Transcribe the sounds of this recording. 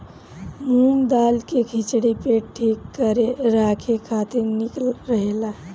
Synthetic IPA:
muŋd̪alkekʰit͡ʃɽipeʈʰikːəɾeɾakʰekʰat̪iɾnikəlɾəɦela

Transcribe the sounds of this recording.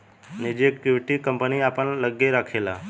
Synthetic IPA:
nid͡ʑekjuɾʈiːkəmpəniːapəɳləɡjeɾakʰela

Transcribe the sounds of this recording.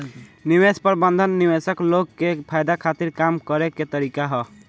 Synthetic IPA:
niwespəɾbənd̪ʱənːiwesəkloɡːepʰajd̪akʰat̪iɾkamkəɾeket̪əɾikaɦɔ

